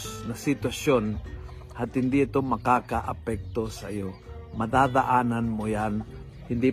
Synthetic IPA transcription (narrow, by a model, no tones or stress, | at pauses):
snɐsɪt̪wɐsjon | hat̪hɪnd̪iɪt̪omɐkaːkaʔɐ̰pɛk̚t̪osɐjo | mɐd̪ad̪aʔaːnanmojan | hɪnd̪i